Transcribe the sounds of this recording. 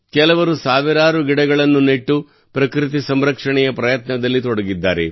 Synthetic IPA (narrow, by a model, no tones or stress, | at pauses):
kɛlɐʋɐɾusaːʋiɾaːɾuɡiɽɐɡɐɭɐnːuneʈːu | pɾɐkɾit̪̬isɐmɾɐkʂɐɳɛjɐpɾɐjɐt̪nɐd̪ɐlːit̪ɔɽɐɡid̪ːaːɾḛ